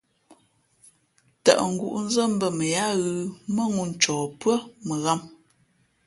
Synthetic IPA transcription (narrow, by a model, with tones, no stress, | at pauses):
ta̰˨ʔŋ̩˨ɡṵ˨ʔn̩˦zə˦˨m̩˦bə˦˨mə˨ja˦ɣɯ˦˨mə˦ŋu˦˨n̩˨t͡ʃɔː˨pɰə˦mə˨ɣa˦m